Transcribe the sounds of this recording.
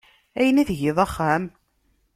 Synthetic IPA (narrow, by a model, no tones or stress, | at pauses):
æjənæðʝɪðˤɑχːæm